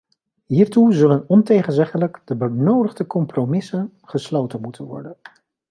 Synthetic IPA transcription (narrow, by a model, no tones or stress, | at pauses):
ɦiːɹtuzɵlənɔntejχənzɛχələkdəbənowdəχdəkɔmpromɪsən | χəslowtənmutʰənʋɔ̰ɹdən